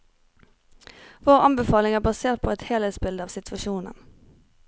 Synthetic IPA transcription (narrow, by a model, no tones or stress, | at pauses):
ʋoːʁɑ̰nbəfɑːlɪŋæːʁbɑseːʁt̪̚pʰoːɛt̪hɛːlhɛːsbɪld̪əɑːʋsɪt̪ʰʋɑʃuːnə̰n